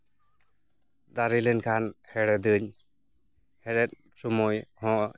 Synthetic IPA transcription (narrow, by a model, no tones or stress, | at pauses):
d̪aɾilɛnkʰanhɛɾɛd̪ɯɲ | hɛɾɛt̪̚ | sumɔjhɔ̃ʔ